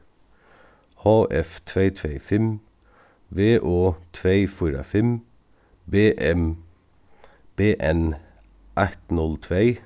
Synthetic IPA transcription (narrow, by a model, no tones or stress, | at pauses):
hɑːʔɛft̪ʰʋeɪt̪ʰʋeɪfɛm | ʋeːʔoːt̪ʰʋeɪfiːɾɑ̰fɛm | beːʔɛm | b̥eːʔɛn | ʔæt̪nɔlt̪ʰʋeɪ